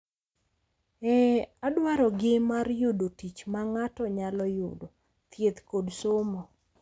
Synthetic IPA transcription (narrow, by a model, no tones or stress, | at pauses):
ɛadwaɾɔɡɪmarjʊdotit͡ʃmaŋatɔɲalɔjʊdo | t̪jet̪kodsomɔ